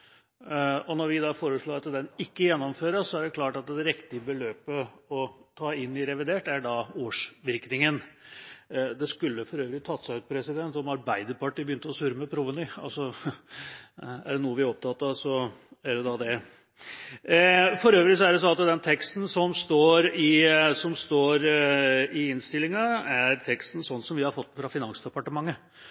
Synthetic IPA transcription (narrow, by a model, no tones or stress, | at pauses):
ɔnɔɾʋɪd̪ɑfoːɾəʂɭoːɾɑt̪d̪ɛnɪkːəjɛnːɔmføːɾəsɔæɖɛklɑːʈɑt̪d̪ɛɾɪkt̪ɪəbəløːpəɔt̪ʰɑːɪnːɪɾɛʋɪd̪eːʈæɖɑoːʂʋɪɾknɪŋən | d̪ɛskʉlːəfɔɾøːʋəɾɪt̪ʰɑt̪ːsæʉːt̪̚pʰɾɛsɪd̪ɛnt̪ɔmɑɾbæɪd̪əɾpɑʈiːbəjʏnt̪əɔsʉɾəməpʰɾʊʋənʏɑ̰lsɔ | æ̰ɖɛnuːəʋɪɔp̚t̪ʰɑt̪ːəsɔæjɛd̪ɑd̪ɛ | fɔɾøːʋɾɪs̬ɔæɖɛsɔnɑt̪d̪ɛnt̪ʰɛkst̪n̩sɔmst̪oːɾɪsɔmst̪oːɾ | ɪɪnst̪ɪlːɪŋɑæɾt̪ʰɛkst̪n̩sɔnːsɔmʋɪhɑɾfɔt̪ːəfɾɑfɪnɑnsd̪ɛpɑʈəmɑŋːə